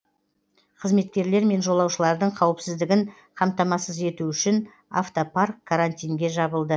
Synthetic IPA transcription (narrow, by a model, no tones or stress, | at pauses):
qʰəzme̞t̪̚kʲe̞ɾle̞ɾme̞nʒo̞lˠɑwʃəlˠɑɾd̪əɴqʰɑwəpsɪzd̪ɪɡʲɪɴ | qʰɑmt̪ɑmɑsəze̞t̪uʏʃɪn | a̰ft̪oparkʰːaɾant̪ijŋɡʲe̞ʒɑbəlˠd̪ə